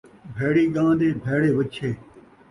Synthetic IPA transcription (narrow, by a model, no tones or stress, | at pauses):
bʱeːɽiːɡãːd̪ẽːbʱeːɽeːʋət͡ʃʰeː